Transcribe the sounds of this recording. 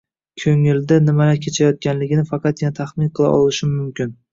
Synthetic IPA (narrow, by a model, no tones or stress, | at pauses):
kʲʰɵŋɪld̪anɪmalakʲʰe̞t͡ʃʰajɒt̪̚kʲanlɪɡʲɪnɪfɑqʰɑt̪janat̪ʰaχmɪnqʰɨlˠa̰ʔɒ̰lɪʃɪmʊmkʲɪn